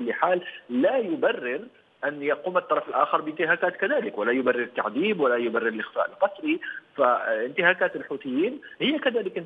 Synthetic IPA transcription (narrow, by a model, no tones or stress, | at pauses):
ʊlːəħaːlːæjʊbærːɪɾ | ʔænjɑquːmət̪ˤːɑɾˤɑfəlʔa̰ːxəɾˤbənt̪ɪɦaːkaːt̪kæd̪æːləkwəlæjʊbarːɪɾət̪ːa̰ʕd̪iːbwəlæjʊbarːɪɾəlʔɪxfa̰ːʔəlqɑsˤɾifaənt̪ɪhaːkaːt̪əlħut̪ɪjːiːnhəjːakæd̪æːləkn